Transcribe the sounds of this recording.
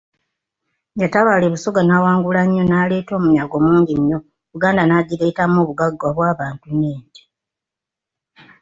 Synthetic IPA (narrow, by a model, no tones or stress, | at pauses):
ɲjataβaleβusoɡanawaːŋɡulaɲːo̞naːle̞ːto̞ːmuɲaɡo̞muːɲɟinjo̞ | ɾuɡaːndanaɟiɾe̞ːtamoːβuɡaɡːaβwaːβaːntuneːɲɟi̥